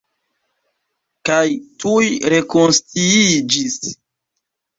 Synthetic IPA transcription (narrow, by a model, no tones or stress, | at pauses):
kajtujɾe̞konstiid͡ʒis